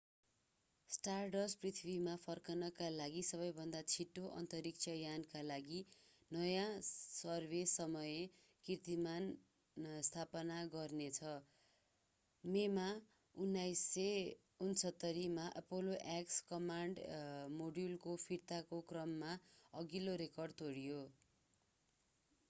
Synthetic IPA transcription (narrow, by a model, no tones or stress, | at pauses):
sʈarɖʌsprit̪ʰibimapʰʌrkʌnʌkalaɡisʌβʌjbʱʌnd̪at͡sʰiʈːoʔʌ̰nt̪ʌɾik̚t͡sʰʌjankalaɡi | nʌjãsʌrbʱesʌmʌje | kirt̪iman | st̪ʰapʌnaɡʌrnet͡sʰʌ | mema | unːajsːe | unsʰʌt̪ːʌɾimaʔʌpoloʔakskʌmaɳɖmoɖulkopʰiɾt̪akokrʌmːaʌɡiloɾekʌrɖt̪oɽijo